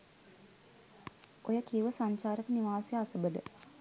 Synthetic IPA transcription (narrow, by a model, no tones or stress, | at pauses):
ojəkiuʋəsaɲt͡ʃaːɾəkəniʋaːsjəasəbəd̪ə̰